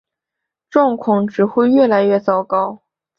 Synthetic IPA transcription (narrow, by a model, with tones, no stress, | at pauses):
ʈ͡ʂwɑ˥˧ŋkʰʊ˨˥˩ŋʈ͡ʂɻ̩˨˩xwe˥˧ɪɥɛ˥˩la˧˥ɪɥɛ˥˩t͡sɑ˥˩ʊkɑ˥ʊ